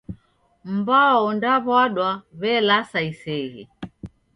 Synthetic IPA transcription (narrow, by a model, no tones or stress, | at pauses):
m̩baɔndaβwaɗwaβɛlasaisɛhḭ